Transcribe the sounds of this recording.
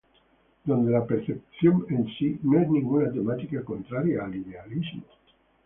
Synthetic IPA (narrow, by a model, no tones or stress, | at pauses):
d̪ond̪elapeɾθep̚sjonensinõɛsnĩŋɡunat̪emat̪ikakont̪ɾaɾjaːlidealizmo